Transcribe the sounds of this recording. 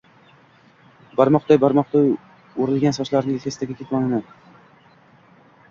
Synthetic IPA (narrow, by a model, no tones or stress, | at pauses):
baɾmɒqt̪ajbaɾmɒq̚t̪a | oɾɪlɡʲansɒʃlaɾnɪkʲʰest̪aɡʲakʲʰet̪mɒlɪna